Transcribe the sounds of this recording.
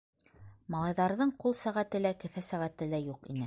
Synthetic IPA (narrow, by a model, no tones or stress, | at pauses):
mɑlˠɑjðɑɾðɤɴqulˠsæʁæt̪ɘlækɘ̆θæsæʁæt̪ɘ̆læjuqḭnɘ